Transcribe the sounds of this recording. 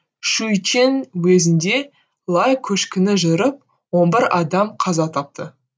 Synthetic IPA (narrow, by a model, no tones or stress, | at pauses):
ʃujt͡ʃenwezɪnd̪e̞ | lˠɑjkʲʰɵʃkʲɪnɪʒʏɾəp̚ | wo̞nbɪɾɑd̪ɑmqʰɑzɑt̪ʰɑp̚t̪ə